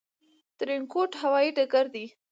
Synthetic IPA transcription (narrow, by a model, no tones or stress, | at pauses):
t̪ɾɪŋkoʈhawɑjiɖaɡaɾd̪i